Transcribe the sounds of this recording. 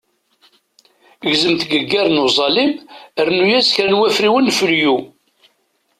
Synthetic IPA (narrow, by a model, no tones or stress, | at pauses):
ɣzəmt̪ɡəɡːæɾˤnuzˤɑlimərnujæsçɾænwæfɾiwənːfəlju